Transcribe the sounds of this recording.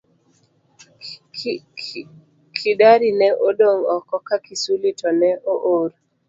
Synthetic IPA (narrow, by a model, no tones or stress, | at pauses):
kʰidaɾinɛʔodoŋɔkɔkakisulitɔnɛʔoʔoɾ